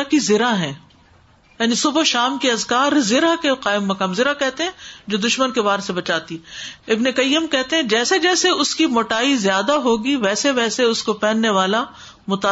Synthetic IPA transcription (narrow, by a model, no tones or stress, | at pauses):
akizɪɾaɦɛ̃ː | jaːnisʊbʃaːmkiɐzkaːɾzɪɾakeqaːɪmːɐkaːmzɪɾakɛɦt̪eɦɛ̃ːd͡ʒoːd̪ʊʃmənkebaːɾsebɐt͡ʃaːt̪iɪbnekɐjːəmkɛɦt̪eɦɛ̃d͡ʒɛːsed͡ʒɛːseʊskimoːʈaːizjaːd̪aɦoːɡiʋɛːseʋɛːseʊskopɛːnːeʋaːla | mʊt̪aː